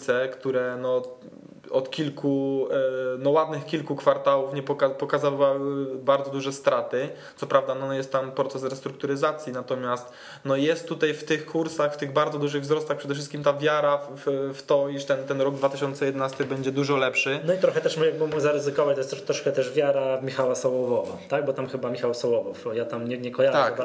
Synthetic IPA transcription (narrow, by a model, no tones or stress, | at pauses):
t̪sɛkt̪uɾɛnɔ | ɔt̪kʲilku | nɔwad̪nɘxkʲilkukfaɾt̪awufɲɛpɔkapɔkazavawbaɾd̪zɔd̪uʐɛst̪ɾat̪ɘt̪sɔpɾavd̪anɔjɛst̪t̪ːampɾɔt̪sɛsɾɛst̪ɾuk̚t̪uɾɘzat̪sʲjinat̪ɔmʲjast̪ | nɔjɛst̪ːut̪ajft̪ɘxkʰuɾsaxft̪ɘɣbaɾdzɔd̪uʐɘɣvzɾɔst̪axpʂɛd̪ɛfʂ̬ɘst̪kʲimt̪avʲjaɾaffft̪ɔiʂt̪ɛnt̪ɛnɾɔɡ̚d̪vat̪ɪɕɔnt̪sɛjɛd̪ɛnast̪ɘbɛɲd͡ʑɛd̪uʐɔlɛpʂɘnɔit̪ɾɔxɛt̪ɛʂmuaɡmuɡuzaɾɘzɘkɔvat͡ɕt̪ɔjɛst̪ɾɔt̪ɾɔʂkɛt̪ɛʐvʲjaɾamʲixawasɔwɔvɔva̰t̪aɡ̚bɔt̪amxɘbamʲixawsɔwɔvɔ̰fjat̪amɲɛɲɛkɔjaʒt̪aka